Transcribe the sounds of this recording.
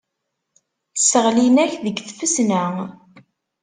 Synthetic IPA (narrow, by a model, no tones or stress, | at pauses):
səʁlinæçðəɡθfəsnə